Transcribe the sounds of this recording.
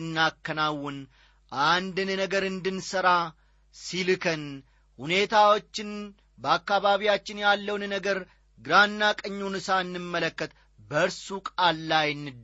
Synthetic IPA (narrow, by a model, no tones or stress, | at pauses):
nːakːənawːɨn | ʔand̪ɨnnəɡəɾɨnd̪ɨnsəɾa | silɨkʰən | hune̞t̪ʰawo̞t͡ʃːɪn | bəakːaβaβijat͡ʃːɪnjalːəwnnəɡəɾ | ɡɨɾanːakʼəɲːunɨsaɨnːɨmːələkːət̪ | bəɨɾsukʼalːajnːɨd̪